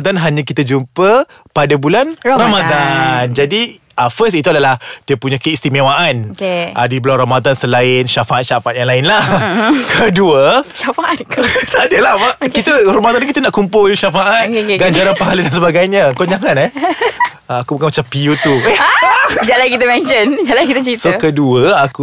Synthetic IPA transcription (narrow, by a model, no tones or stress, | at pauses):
d̪anɦaɲə̃kit̪əd͡ʒumpə | padabulanramad̪and͡ʒadi | ʔəfəsit̪uadalahdiəpuɲãkəist̪imewaʔana̰dibəlawɾamad̪ansəlaɪnʃafaʔat̪̚ʃafaat̪̚jaŋlaɪnlahkʰəduəʃafaʔat̪̚kt̪adəlahmakit̪əramad̪anukit̪anaʔkumpʊlʃafaʔat̪̚ɡaɲd͡ʒaɾanpaɦalədansəbaɡajɲãkɔoɲaŋanɛ | aakubukanmat͡ʃampiut̪uɛd͡ʒalajkit̪əmɛnt͡ʃənd͡ʒalajkit̪ət͡ʃitsokəduəaku